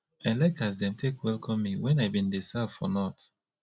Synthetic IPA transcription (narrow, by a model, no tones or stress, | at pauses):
aɪlɛkasdɛ̃mtʰekwɛlˠkʰɔ̃mːiwɛ̃naɪbĩndisavfɔnɔt